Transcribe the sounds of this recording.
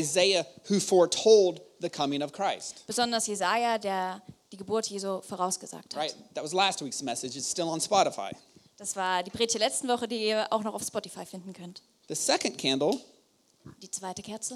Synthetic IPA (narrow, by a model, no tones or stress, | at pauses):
ɪzeɪɨhʉfɔɹtʰoʊlˠd̪̚ðɨkʰʌmɪ̃ŋʌv̥kʰɹ̥aɪstb̥əzɔndɐsjezajadeːɐd̥iːɡəbʊɐtʰjeːzufoːʁaʊsɡ̥əza̰ːk̚thaɹaɪt̚ðɨt̚wʌzlæst̚wiksmɛsɨd͡ʒɨz̥stɪlˠə̃nspɑɾəfa̰ɪd̥asv̥aːɐdiːbʁiːdɪ̥çd̥eɐlɛt͡stn̩vɔχədiːiːɐʔa̰ʊxnɔχaʊfspɔtifaɪfɪndn̩kʰœnt | ðɨsɛkɨ̃nkʰæ̃ndˡl̩ˠ | d̥iːt͡sv̥aɪtəkʰɛɐt͡sl̩